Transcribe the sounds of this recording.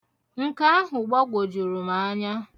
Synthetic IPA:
ŋ̩˦ka˦a˦ɦʊ˨ɡ͡bɔ˦ɡʷo˨d͡ʒu˨ɾu˨ma˨a˦ɲa˦

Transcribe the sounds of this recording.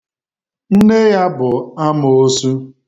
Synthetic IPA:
n̩˦ne˦ja˦bʊ˨a˦mʊ˨o˦su˦

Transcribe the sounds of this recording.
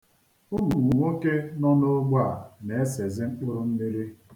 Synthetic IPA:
u˦nu˨ŋʷu˨ŋʷo˦ke˦nɔ˦nʊ˦ɡ͡bʷa˦˨ne˨e˦se˨zɪ˦ŋ͡m̩˦k͡po˦ɾu˦m̩˦mi˦ɾi˦

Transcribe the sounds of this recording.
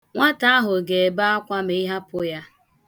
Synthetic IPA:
ŋʷa˦ta˦a˦ɦʊ˨ɡe˨ba˦a˦kʷa˦m˨i˦ɦa˦pʊ˦ja˦

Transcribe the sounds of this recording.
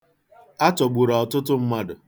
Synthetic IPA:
a˦tɔ˨ɡ͡bu˨ɾɔ˨ɔ˨tʊ˦tʊ˦m̩˦ma˦dʊ˨

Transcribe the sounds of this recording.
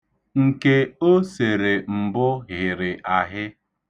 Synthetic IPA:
ŋ̩˨ke˦o˦se˨ɾe˨m̩˨bʊ˦ɣɪ˨ɾɪ˨ʔa˨ɦɪ˦

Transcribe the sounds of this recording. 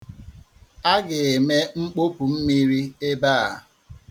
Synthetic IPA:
a˦ɡɪ˨e˨me˦ŋ͡m̩˦k͡po˦pu˨m̩˦mi˦ɾi˦e˦baː˦a˨

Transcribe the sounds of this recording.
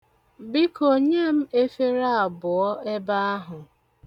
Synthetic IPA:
bɪ˦ko˨ɲe˦m̩˦e˦fe˦ɾa˦a˨bʊ˨ɔ˦e˦ba˦a˦ɦʊ˨

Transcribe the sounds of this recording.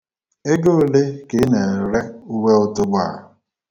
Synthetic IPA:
e˦ɡo˦le˦ke˨˦ne˨ɾe˦u˦we˦ʊ˦tʊ˦ɡ͡ba˦˨

